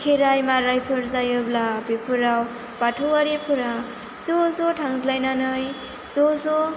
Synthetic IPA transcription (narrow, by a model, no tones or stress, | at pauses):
kʰeɾajmaɾajpʰɯɾzajɯblabepʰuɾaw | paʈʰuwaɾepʰuɾa | sosoʈʰaŋzlajnanɯj | soso